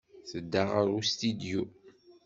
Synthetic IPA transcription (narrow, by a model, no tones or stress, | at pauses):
θəd̪ːaʁaɾust̪id̪ju